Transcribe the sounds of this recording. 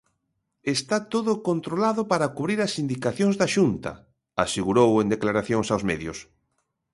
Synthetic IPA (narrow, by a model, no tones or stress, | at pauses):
est̪at̪oðʊkont̪ɾolaðʊpaɾakuβɾiɾasind̪ikaθjõŋzðaʃunt̪ɐ̰ | a̰seɣuɾowend̪eklaɾaθjoŋsawzmɛðjʊs